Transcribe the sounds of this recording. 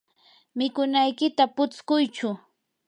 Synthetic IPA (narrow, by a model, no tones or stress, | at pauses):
mɪkʊnajkɪt̪apʊt͡skʊjt͡ʃʊ